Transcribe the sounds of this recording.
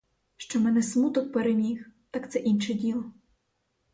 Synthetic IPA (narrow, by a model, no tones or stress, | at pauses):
ʃt͡ʃɔmɛnɛsmut̪ɔk̚peɾemʲixt̪akt̪sɛʔinʃɛdʲilˠɔ